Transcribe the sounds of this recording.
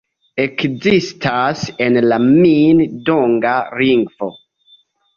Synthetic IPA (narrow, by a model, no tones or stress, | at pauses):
ekzistʰasenlamindoŋɡaɾiŋɡvo̰